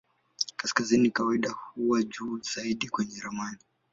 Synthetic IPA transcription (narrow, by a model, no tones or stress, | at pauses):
kaskazinikawaiɗahuwad͡ʒuːz̥aiɗikwɛɲɛɾamani